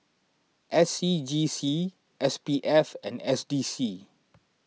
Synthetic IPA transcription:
ʔɛsid͡ʒisi | ʔɛspiʔɛfɛ̰̃nɛsdisi

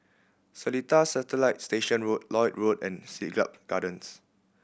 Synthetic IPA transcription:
səlitasɛtəlaɪt̚steʃə̃nɹotlɔjt̚ɹodɛ̰̃nsiɡla̰p̚ɡ̥adə̃ns

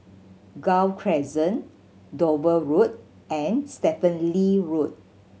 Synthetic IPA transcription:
ɡawkʰɹɛzə̃n | dɔvəɹut̚ | ʔɛ̃nstɛfə̃nliɹut̚

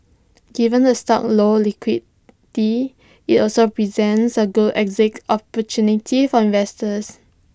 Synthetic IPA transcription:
ɡ̥ivə̃ndəstɔ̰k̚lolikʰwid | di | itɔlsopɹizɛ̃nsəɡudɛkzɛkɔpətʰunitʰifɔĩnvɛstəs

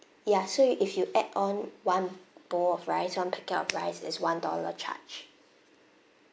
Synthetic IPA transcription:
jasoɪfjuʔɛtɔ̃nwãnb̥oɔfɹaɪswãnpʰɛkətɔ̰vfɹaɪsɪ̰swãndɔlə̰t͡ʃʰa̰t͡ʃ

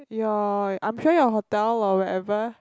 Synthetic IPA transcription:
jaʔãj̃mʃɔjɔɦɔtɛlɔwɔtɛvə

